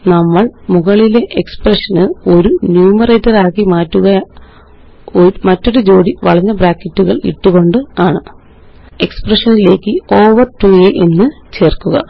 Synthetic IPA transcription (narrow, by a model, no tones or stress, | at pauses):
nɐmːɐɭmuɣɐɭile̞ʔeksprɐʂɐnɨo̞ɾunjuːmɐrɐjtːɐraːkːimaːtːuɣɐj | mɐtːo̞ɾud͡ʑo̞ːɽiʋɐɭɐɲːɐbɾaːkːɐtːuɣɐɭḭʈːuɣo̞ɳɖɨaːɳɨ | e̞ksprɐʂɐnile̞ːkːɨo̞ːʋɐrʈujeʔe̞nːɨt͡ɕe̞ːrkːuɣɐ̰